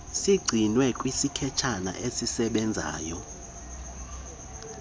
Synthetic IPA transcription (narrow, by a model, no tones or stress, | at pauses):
siɡ͡ǀʱinwɛkʼwisikʰɛt͡ʃʰana̰ʔesisɛɓɛnd͡zʱa̰ːjɔ